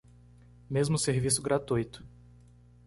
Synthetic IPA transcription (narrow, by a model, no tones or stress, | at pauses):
mezmʊseɾvisʊɡɾat̪ujt̪ʊ̥